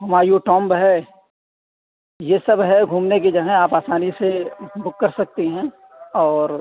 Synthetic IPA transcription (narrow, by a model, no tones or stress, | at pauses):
ɦɐmaːɾioʈɔ̃ːmbɦɛ | jesɐbɦɛɡʱũːmnek̬ed͡ʒɐɦɛ̃aːpaːsaːnisebʱʊkːɐɾsɐk̚t̪eɦɛ̃ː | ɔːɾ